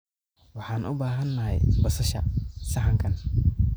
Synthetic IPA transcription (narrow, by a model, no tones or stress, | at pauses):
wɑħɑːnʔʊ̰baːɦɐnːɐɦɛ̰jbɐsɐʃɐsɐħɐŋkʰɐn